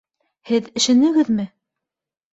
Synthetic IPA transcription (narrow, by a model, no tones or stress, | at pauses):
hɘðɘ̆ʃɘ̆nɘ̆ɡɘðmɘ